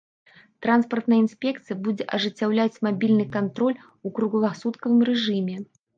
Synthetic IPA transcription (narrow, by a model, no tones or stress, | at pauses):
t̪ɾanspɐrt̪nɐjəinsʲpʲɛkt̪sɨjɐbud͡zʲɛʔɐʐɨt͡sʲːawlʲat͡sʲmabʲilʲnɨkant̪ɾɔlʲ | ukɾuɣulˠasut̪kɐvɨmrɛʐɨmʲɛ